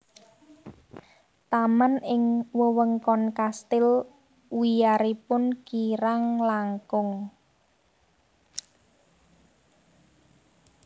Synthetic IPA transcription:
t̪amanɪŋwəwəŋkɔnkast̪ɪl | wijaɾipʊnkiɾaŋlaŋkʊŋ

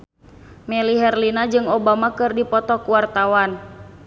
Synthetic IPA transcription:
mɛliɦɛrlinad͡ʒɨŋɔbamakɨrdipɔt̪ɔkuwart̪awan

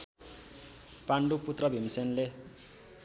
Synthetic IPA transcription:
paɳɖuput̪rʌbʱimsenle

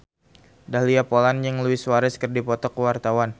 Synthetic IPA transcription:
dahliapolanjaŋluɪswaɾɛskərdipɔt̪ɔkəwart̪awan

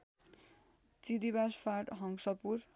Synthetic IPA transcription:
t͡sid̪ibaspʰarʈɦʌŋsʌpur

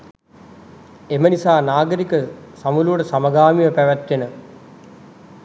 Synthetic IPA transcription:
emənisaːnaːɡəɾikəsamuluʋəʈəsaməɡaːmiʋəpæʋæt̪ʋenə

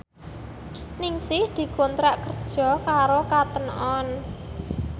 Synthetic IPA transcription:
nɪŋsɪhd̪̥i̤kont̪ɾaʔkərd̥ʒ̥ɔ̤kaɾokat̪ənɔn

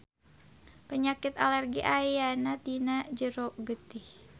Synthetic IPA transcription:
pəɲakɪt̪alɛrɡiʔajanat̪inad͡ʒəɾoʔɡət̪ɪh

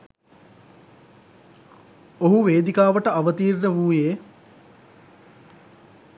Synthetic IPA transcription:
oɦuʋeːd̪ikaːʋəʈəaʋət̪iːrnəʋuːjeː

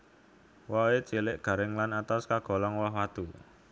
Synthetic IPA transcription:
wawet͡ʃelɪʔɡ̥ä̤ɾɪŋlanat̪askaɡ̥ɔ̤lɔŋwaɦwat̪u

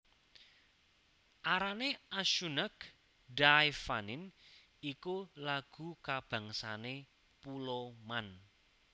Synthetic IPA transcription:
ʔaɾaneaʃunək | ɖajfanɪn | ikulaɡ̥ṳkab̥ä̤ŋsane | puloman

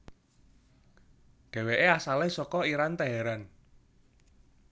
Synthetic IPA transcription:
ɖ̥e̤weʔeasalehsɔkɔiɾant̪aɦɛɾan

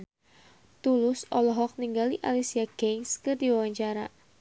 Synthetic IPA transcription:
t̪ulʊsɔlɔɦɔk̚niŋɡaliʔa̰lisiaɡeŋskɨrdiwawaɲt͡ʃaɾa

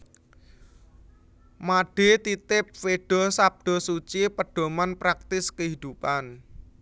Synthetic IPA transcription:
maɖ̥e̤t̪it̪ɪp̚feɖ̥ɔ̤sap̚d̥ɔ̤sut͡ʃipəɖ̥ɔ̤manpɾak̚t̪ɪskəɦid̪̥upan

